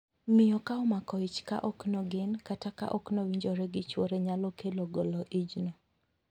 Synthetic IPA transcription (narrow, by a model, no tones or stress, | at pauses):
mɪjɔkaɔmakɔit͡ʃka̰ʔɔknɔɡɪnkataka̰ʔɔknowiɲd͡ʒoɾɛɡɪt͡ʃwoɾeɲalɔkeloɡolɔʔid͡ʒno